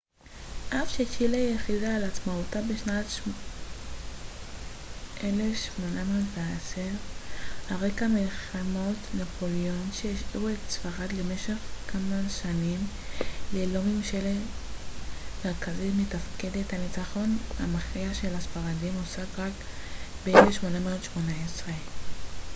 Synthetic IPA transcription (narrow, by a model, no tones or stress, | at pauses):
ʔafʃet͡ʃilajeχidaːlat͡smautabeʃnat̪ʃ | ʔelefʃmo̞namaveaseʁhaʁekamelχamo̞t̪napʰo̞lionʃeiʃʔuetsfaʁad̪leme̞ʃe̞χkamaʃanimlelomimʃele | meʁkazitmetafkedethalit͡saχo̞na̰maχiaʃe̞lasfaʁadimosakʁakbeelefʃmo̞nameodʃmonaesʁe